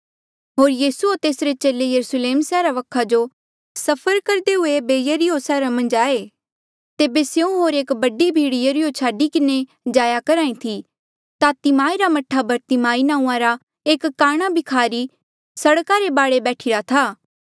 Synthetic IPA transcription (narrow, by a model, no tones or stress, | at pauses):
ɦoːɾjiːsuot̪eːsɾet͡ʃeːlejɐɾusleːmsɛːɾaʋɐkʰad͡ʒo | sɐpʰəɾkɐɾd̪eɦʊebeːjəɾiosɛːɾamɐ̃nd͡ʒaːe | t̪eːbeseũɦoːɾeːkbɐɖibʱiːɽɪjəɾijot͡ʃʰaːɖikɪne | d͡ʒaːjakɐɾaːĩt̪ʰi | t̪at̪ɪmaːiɾamɐʈʰːabʱɐɾt̪ɪmaːinãːũːãɾa | eːkːaːɽ̃abʱikʰaːɾi | sɐɽkaɾebaːɽebɛːʈʰiɾat̪ʰaː